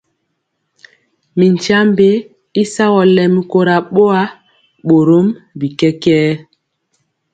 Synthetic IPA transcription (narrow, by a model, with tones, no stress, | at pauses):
mi˨ɲ˨t͡ʃa˦mbe˦ | i˦sa˦ɣɔ˨lɛ˨mi˦ko˦ɾa˨ɓo˦a˦ | ɓo˨ɾo˦mbi˨kɛ˦kɛː˦